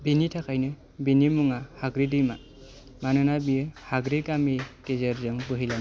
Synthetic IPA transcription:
binitʰakʰajnɯ | binimuŋahaɡɾidɯjma | manɯnabiɯhaɡɾikamikezeɾzɯŋbɯɦilam

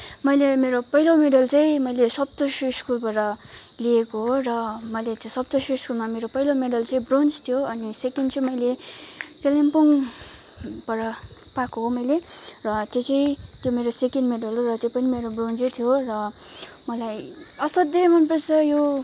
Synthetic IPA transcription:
mʌjlemeɾopʌɦilomeɽʌlt͡saĩmʌjlesʌb̚t̪osuskulbaɾʌ | liekoɦorʌmʌjlet̪sʌb̚t̪osuskulmameɾopʌijlomeɽʌlt͡sʌĩbrond͡zt̪ʰijoʌnisekenɖt͡sʌĩmʌjlekelempuŋ | bʌɾʌ | pakoɦomʌjlerʌt̪jot͡saĩt̪jomeɾosekenɖmeɖʌlorʌt̪jopʌnimeɾobrond͡zʌt̪ʰijorʌ | mʌlaj | ʌsʌd̪jʌmʌnpʌsʌjo

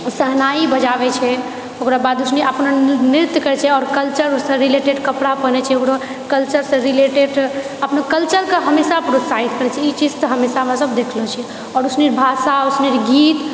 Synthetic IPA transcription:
səɦnaibəd͡ʒabɛt͡ʃʰɛ | okɾabad̪usniəpnniɾt̪kəɾɛt͡ʃʰɛɔːɾkəlt͡ʃəɾusə̃ɾileʈeɖkəpɽapənɛt͡ʃʰɛokɾo | kəlt͡ʃəɾsə̃ɾileʈeɖ | əpnəkəlt͡ʃəɾkeɦəmesapɾot̪saɦit̪kəɾɛt͡ʃʰɛit͡ʃid͡ʒsəɦəmesaəmɾasəbd̪ekʰlɔt͡ʃʰɛ | ɔːɾusniɾbʱasausniɾɡit̪

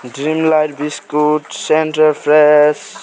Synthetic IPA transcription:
ɖɾimlajʈ̚biskuʈsenʈəɾpʰɾes

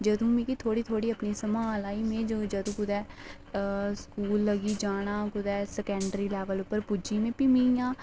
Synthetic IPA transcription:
d͡ʒəd̪ũːmĩːkit̪ʰoːɽiːt̪ʰoːɽiːəpniːsəmaːlaːiːmẽːd͡ʒoːd͡ʒəd̪ũːkʊd̪ɛː | skuːlːəɡiːd͡ʒaːɽ̃aːkʊd̪ɛːsɛkɛ̃ɳɖəɾiːlɛːʋəlʊpːəɾpud͡ʒiːmẽːpimijãː

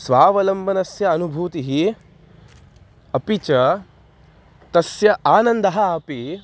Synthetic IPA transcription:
sʋaːʋɐlɐmbʱɐnɐsjɐːnubʱuːt̪iɦi | ɐpit͡ʃɐ | t̪ɐsjɐʔaːnɐnd̪ɐɦɐpi

